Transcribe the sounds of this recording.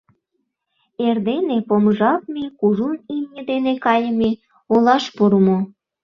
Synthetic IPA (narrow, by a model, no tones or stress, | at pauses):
erd̪enepoməʒɑk̪mekuʒunimɲʲəd̪enekɑjəme | olɑʃpuɾəmo